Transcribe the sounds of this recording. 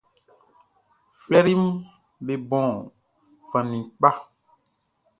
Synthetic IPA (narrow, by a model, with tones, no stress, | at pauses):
flɛ˦ɾi˦m˦ | be˨bɔ̃˨ | vã˨nĩ˨k͡pa˦